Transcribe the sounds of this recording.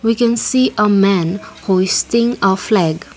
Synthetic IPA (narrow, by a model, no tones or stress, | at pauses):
wikɛ̃nsiːʔəmæ̃nhɔɪstɪ̃ŋəflɛɡ